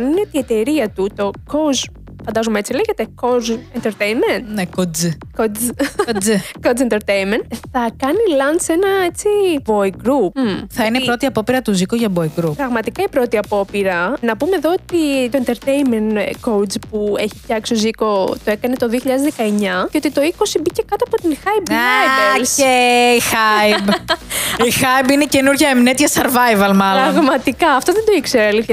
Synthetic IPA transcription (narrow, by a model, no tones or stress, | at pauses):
ninet̪ie̞t̪e̞ɾiɐt̪ut̪o̞koz | fɐnd̪ɐzumeet͡sileʝe̞t̪e̞kozent̪eɾt̪ejnment̪nekod͡zkod͡z | kod͡zent̪eɾt̪ejnment̪θɐkɐnilɐnse̞nɐe̞t͡siboiɡɾupθɐineipɾo̞t̪iɐpo̞piɾɐt̪uzikoʝɐboiɡɾuppɾɐɣmɐt̪ikɐipɾo̞t̪iɐpo̞piɾɐnɐpume̞ðo̞ot̪it̪oent̪e̞ɾt̪ejnmenkow̪spue̞çi̥fçɐksioziko̞t̪oe̞kɐne̞t̪o̞ðioçiʎɐðezðekɐeɲɐceo̞t̪it̪o̞iko̞sibice̞kɐt̪oɐpo̞t̪inxɐjbaaeceixɐib | ixɐjbinece̞nuɾʝɐemnet̪çɐseɾvɐjvɐlmɐloɐɣmɐt̪ikɐɐft̪oðend̪o̞ikseɾɐli